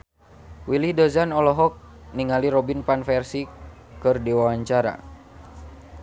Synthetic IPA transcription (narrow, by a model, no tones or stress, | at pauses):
wilidɔzanɔlɔɦɔk̚ | niŋaliɾɔbinpanfɛrsi | kɨrdiwawaɲt͡ʃaɾa̰